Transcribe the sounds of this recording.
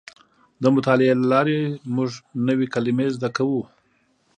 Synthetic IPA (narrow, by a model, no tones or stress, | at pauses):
d̪əmʊt̪ɑlɪelalɑɾemʊʐnəwekalimezd̪akawu